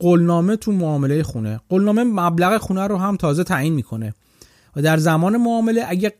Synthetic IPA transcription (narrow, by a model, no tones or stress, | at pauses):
ɢolnɒːmet̪ʰumoɒːme̞lejexuneɢolnɒːmemæblæɣexunæɾoɦæmt̪ʰɒːzet̪ʰæːjiːnmiːkʰo̞ne̞ | væd̪æɾzæmɒːnemoɒːme̞leʔæɟe